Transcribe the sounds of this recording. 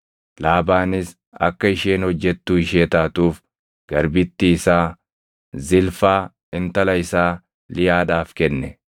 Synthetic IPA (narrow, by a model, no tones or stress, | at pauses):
laːbaːnɪs | ɐ̰kːɐɪʃeːnhɔd͡ʒːɛt̪ːuːɪʃeːt̪aːt̪uːf | ɡ̥ɐɾbɪt̪ːisaː | zɪlfaː | ɪnt̪ɐlɐɪsaː | lɪjaːᶑaːfkɛnːɛ